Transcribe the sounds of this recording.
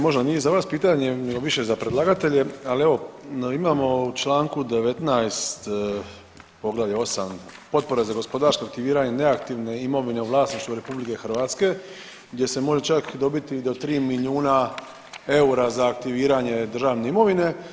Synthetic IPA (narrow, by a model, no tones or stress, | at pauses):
mo̞ʒd̪anijezaʋaːspiːt̪aɲe̞neɡo̞ʋiʃe̞zapɾed̪lˠaɡat̪e̞ʎe̞alieʋo̞imamo̞ut͡ʃlaːŋkud̪e̞ʋe̞t̪najst̪ | po̞ɡlaʎeo̞sampo̞t̪̚po̞ɾezaɡo̞spo̞d̪aɾskoak̚t̪iʋiːɾaɲe̞ne̞akt̪iʋne̞imo̞ʋine̞uʋlˠaːsniʃt̪uɾe̞publike̞xrʋaːt̪ske̞ | ɡd̪je̞se̞mo̞ʒe̞t͡ʃakd̪o̞bit̪id̪ot̪ɾiːmiliuːna | e̞uɾazaːkt̪iʋiːɾaɲe̞d̪r̩ʒaːʋne̞imo̞ʋine̞